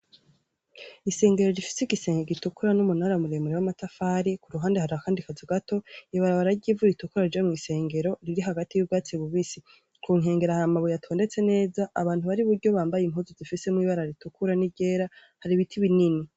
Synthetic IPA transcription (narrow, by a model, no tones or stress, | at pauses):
ise̞ːŋɡe̞ɾo̞ɾifi̥siɡise̞ːŋɡeɡitukuɾanumunaɾamuɾemuɾewamatafaɾikuɾuɦaːnde̞haɾaakaːndikazuɡato̞iβaɾaβaɾaɟiːvuitukuɾaɾid͡ʒamŋiːse̞ːŋɡe̞ɾo̞ɾiɾiɦaɡatijubɡaːt͡siβuβisi | kʰuːŋ̥e̞ːŋɡe̞ɾahamaβujatʰo̞ːnde̞t͡se̞ne̞ːzaʔːβaːntuβaɾiβuɾɟo̞βaːmbajim̥huːzozifise̞mŋiːβaɾaɾitukuɾaniɟe̞ːɾa | haɾiβitʰiβinini